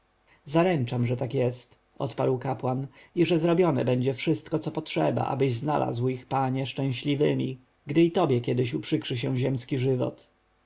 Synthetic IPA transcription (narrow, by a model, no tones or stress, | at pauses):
zaɾɛnt͡ʂamʐɛt̪akjɛst̪ | ʔɔ̰t̪paɾwkapwaniʐɛzɾɔbʲjɔnɛ̰bɛɲd͡ʑɛfʂɘst̪kɔt̪sɔpɔtʂɛba̰ʔa̰bɘʑznalʔa̰zwixpaɲɛʂt͡ʂɛ̃w̃ɕlʲivɘmʲḭ | ɡd̪ɘit̪ɔbʲjɛkʲjɛd̪ɘɕupʂɘkʂɘɕ̬ɛw̃ʑɛmskʲiʐɘvɔ̰t̪